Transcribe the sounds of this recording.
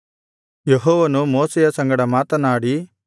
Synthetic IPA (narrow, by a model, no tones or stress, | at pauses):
jeɦɔːʋɐnumoːsɛjɐsɐŋɡɐɽɐmaːt̪ɐnaːɽi